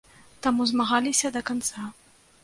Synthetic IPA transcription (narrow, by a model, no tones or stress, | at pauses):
t̪amuzmaɣalʲisʲɐd̪ɐkant̪sa